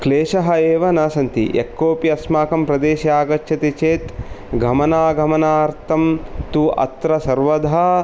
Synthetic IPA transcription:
kleːʃɐɦɐeːʋɐnaːsɐnt̪ḭʔḛkːoːpiɐsmaːkɐmpɾɐd̪eːʃjaːɡɐt͡ʃʃʰɐt̪it͡ʃeːt̪ɡʱɐmɐnaːɡʱɐmɐnaːɾt̪ʰɐmt̪uʔɐ̰t̪ɾɐsɐɾʋɐd̪ʱɐ

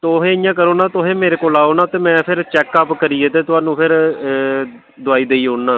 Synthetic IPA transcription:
t̪oɦẽːɪjãːkəɾoːnaːt̪ʊɦẽːmeːɾeːkoːlaːoːnaːt̪eːmɛ̃ːpʰɪɾt͡ʃɛːkːaːpkəɾiːeːt̪eːt̪ʊaːnũːpʰɪɾ | d̪ʊaːiːd̪eːiːɦoːɽnãː

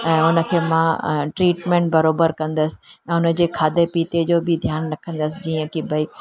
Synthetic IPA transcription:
ɛ̃ːʊnə̆kʰeːmãʈɾiːʈmẽːɳʈ̚bɐɾoːbəɾkɐ̃nd̪əsɪ̥ɛ̃ːʊnə̆d͡ʑeːkʰaːd̪epiːt̪ed͡ʑoːbɪd̪ʱjaːnɾɐkʰə̃nd̪əsɪd͡ʑiːə̃kibʱɐi

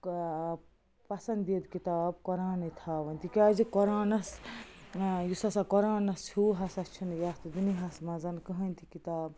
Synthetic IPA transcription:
pɐsɐnd̪id̪kit̪aːb̚kɔɾaːnɐt̪ʰabɐnʲt̪ikazikɔɾaːnɐs | jusɐsakɔɾãːnɐst͡ʃʰuɦasast͡ʃʰunjast̪ud̪uniɦasmad͡zɐnkɨɦɐnt̪ʰikit̪aːb̚

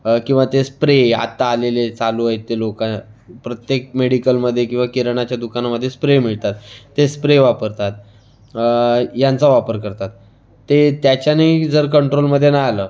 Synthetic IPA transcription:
kĩw̃ʋat̪espɾea̰t̪ːaːlelet͡saluəet̪ːelokãpɾət̪jek̚meɽikəlməd̪ʱːjekĩw̃ʋakiɾəɳat͡ɕjad̪ukanaməd̪ʱːjespɾem̤iɭt̪at̪ːespɾeʋapəɾt̪at̪̚ | jãnt͡saʋapəɾkəɾt̪at̪ː | et̪jat͡ɕanid͡zəɾkəɳʈɾolməd̪ʱːjenajaləː

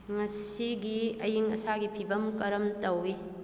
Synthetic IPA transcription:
ŋɐsiɡiɐjiŋɐ̰saɡipʰibɐmkɐɾɐmtɐwi

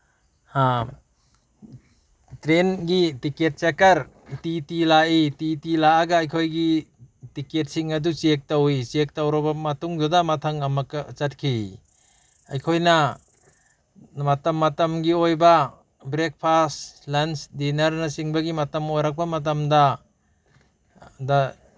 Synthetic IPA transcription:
a | tɾenɡitiket̚t͡ʃekɐɾ | titilaʔititilaːɡɐːjkʰojɡitiket̚siŋɐdut͡ʃek̚tawit͡ʃek̚tawɾɐbɐmɐtuŋdudamɐtʰaŋɐmɐkɐt͡ʃɐt̚kʰi | ajkʰojna | matɐmːɐtɐmɡiojba | bɾek̚pʰastlansdinɐɾnasiŋbɐɡimɐtɐmojɾak̚bɐmɐt̬amda | da

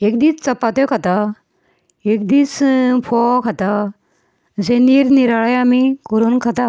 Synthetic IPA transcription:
ekd̪iːt͡st͡sɐpat̪ɔkʰat̪a | ek̚d̪iːt͡spʰɔkʰat̪a | d͡zeniɾniɾaɭəjamikɔɾunkʰat̪a

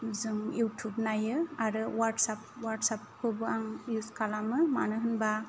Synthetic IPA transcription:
zɯŋjutʰubnajɯaɾɯwaɾʈsap̚waɾʈsap̚kʰɯbɯaŋjuskʰalamɯma̰nɯɦɯnba

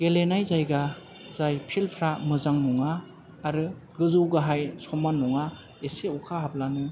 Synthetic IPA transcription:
ɡelenajzajɡa | zajpʰilpʰɾamɯzaŋnɔŋaː | ɾɯ | ɡɯzɯwɡaɦajsɔmanɔŋa | eseukʰaɦab̚lanɯ

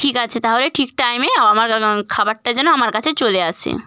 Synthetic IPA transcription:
ʈʰikat͡ɕʰet̪aɦoɾeʈʰik̚ʈajmeaamaɾkʰabaɾ̚ʈad͡ʑɛnoamaɾkat͡ɕʰet͡ɕoleat͡ɕʰḛ

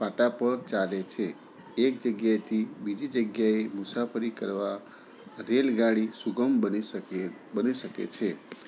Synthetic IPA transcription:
paʈapəɾt͡ʃalet͡ʃʰe | ek̚d͡ʒəɡjajt̪ʰibid͡ʒid͡ʒəɡjaemʊsapʰəɾikəɾʋa | ɾelɡaɽisuɡəmbəni | bəniʃəkḛt͡ʃʰe

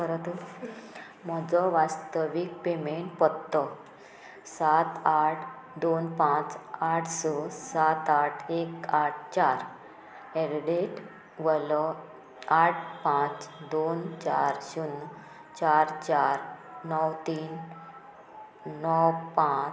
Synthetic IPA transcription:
kəɾət̪u | m̤ɔd͡zɔʋast̪əʋik̚pemeɳʈ̚pɔd̪t̪ːɔ | sat̪aʈʰ | d̪onpãt͡saʈʰsɔsat̪aʈʰekaʈ̚ʰt͡ɕaɾ | ɛɾɖeʈ | ʋəlɔ | aʈ̚ʰpãt͡sd̪ont͡ɕaɾɕun | t͡ɕaɾt͡ɕaɾnɔwt̪iːn | ɔwpã

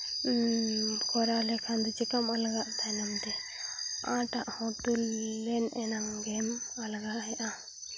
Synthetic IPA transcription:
kɔɾalɛkʰand̪ut͡ʃɛkamalɡaʔd̪ajnamt̪ɛ | ã̰ʈaʔhɔ̃t̪ulːɛnɛnaŋɡɛmalɡaʔɦɛʔa

